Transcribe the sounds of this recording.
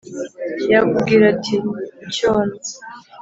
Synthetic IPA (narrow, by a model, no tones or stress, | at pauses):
jaɡubɡiɾatʰicoːnze̥